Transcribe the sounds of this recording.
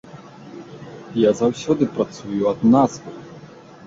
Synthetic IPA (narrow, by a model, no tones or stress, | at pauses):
jazawsʲɔd̪ɨpɾat̪sujuɐd̪nazvɨ